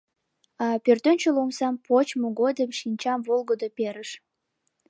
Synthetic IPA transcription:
ɑpørt̪ønʲt͡ɕelomsɑmpot͡ɕmoɣod̪əmʃinʲt͡ɕɑmvolɣəd̪opeɾəʃ

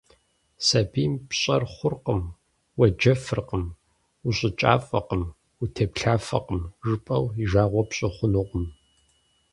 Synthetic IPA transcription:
sɐbiːmpɕʼɐrχʷʊrqəm | wɐd͡ʒɐfɨrqəm | uɕʼɪt͡ʃʼa̰ːfʼɐqəm | utʰɐpɬʰaːfɐ̰qəmʒɨpʼɐwiʒaːʁʷɔpɕʼɪχʷʊnuqʷʼʊm

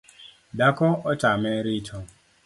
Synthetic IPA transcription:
dakɔɔtamɛɾitʰɔ

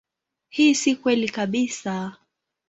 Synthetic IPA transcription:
hiːsikwɛlikaɓisa

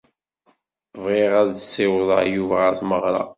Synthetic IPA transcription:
vʁeʁæððəsːɪwðˤɑjuvææθməʁɾˤɑ̰

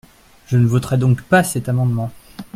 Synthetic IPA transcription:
ʒənəvɔt̪χɛd̪ɔ̃kpasɛt̪amɑ̃d̪mɑ̃

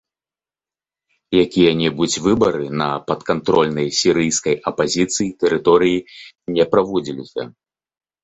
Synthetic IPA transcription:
jakʲijɐnʲɛbut͡sʲvɨbɐɾɨnɐpɐt̪kant̪ɾɔlʲnɐjsʲiɾɨjskɐjɐpazʲit̪sɨjit̪ɛɾɨt̪ɔɾɨji | nʲɛpɾavɔd͡zʲilʲisʲɐ̰

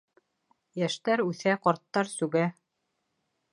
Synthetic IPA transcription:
jæʃt̪æɾʉθæqɒɾt̪ːɑɾsʉɡæ

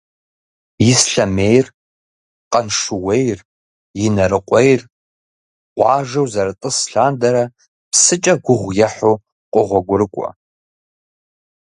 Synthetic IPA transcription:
jɪsɬɐmeːjr | qʼɐnʂɨwejr | jɪnɐɾɨqʷʼejr | qʷʼɑːʒɐwzɐɾɨtʼɨsɬaːndɐɾɐ | psɨt͡ʃʼɐɡʷʊʁʷjɛħo | qʷʼʊʁʷɔɡʷʊɾɨkʷʼɔ̰

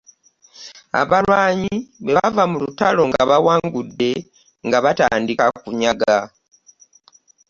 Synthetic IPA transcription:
a̰βalwaːɲiβeavamulutalo̞ŋɡaβawaːŋɡudːe̞ | ŋɡaβataːndikakuɲaɡa

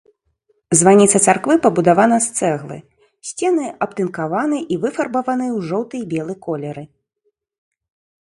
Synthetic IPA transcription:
zvanʲit̪sɐt̪sarkvɨpɐbud̪avanɐst̪sɛɣlˠɨ̰ | sʲt͡sʲɛnɨʔɐpt̪ɨnkavanɨʔivɨfɐrbɐvɐnɨjwʐɔwt̪ɨjbʲɛlˠɨkɔlʲɛɾɨ

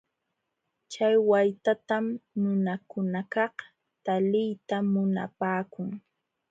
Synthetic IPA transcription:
t͡ʃajwajt̪at̪amnʊnakʊnakɑh | t̪alɪjt̪amʊna̰paːkʊŋ

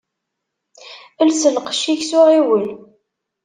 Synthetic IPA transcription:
əlsəlqʃiçsʊʁiwəl

